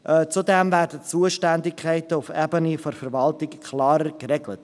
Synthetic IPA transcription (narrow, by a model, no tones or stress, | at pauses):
ʔt͡sudɛmvæːɾdət͡suəʃtændɪkʰχɛɪtəʊfɛbənifɔɾfɛɾvɑltɪkkʰlɑːɾəkɾɛɡlət